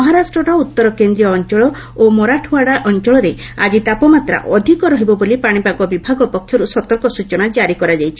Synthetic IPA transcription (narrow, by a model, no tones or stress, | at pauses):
mɔɦaɾasʈɾɔɾɔut̪ːɔɾɔkend̪ɾijɔːnt͡ʃɔɭɔ | omɔɾaʈʰuaɽaʔɔnt͡ʃɔɭɔɾe | a̰d͡ʒit̪apɔmat̪ɾa̰ʔɔd̪ʱikɔɾɔɦibɔbolipaɽ̃ipakɔbibʱaɡɔpɔkʰjɔɾusɔt̪ɔɾkɔsut͡ʃɔɽ̃ad͡ʒaɾikɔɾad͡ʒajt͡ʃʰi̥